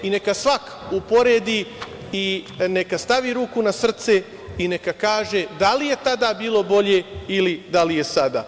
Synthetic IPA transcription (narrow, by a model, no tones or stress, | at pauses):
ine̞kasʋak | upo̞ɾeːd̪i | ine̞kast̪aʋiɾuːkunasr̩t̪se̞ | ine̞kakaːʒe̞d̪alije̞t̪ad̪aːbiːlo̞bo̞ʎeilid̪alije̞sad̪a̰ː